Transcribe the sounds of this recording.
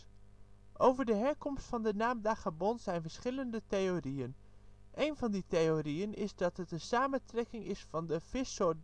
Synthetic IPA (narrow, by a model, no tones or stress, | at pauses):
ʔowvəɹdəɦɛɹkɔmstfɑndənaːmdaχabɔnz̥ɛjnvəɹsχɪləndətejorijən | ʔejnvɑnditejorijənɪzdɑtɦətənsaːməntrɛkɪŋɪsfɑndəvɪso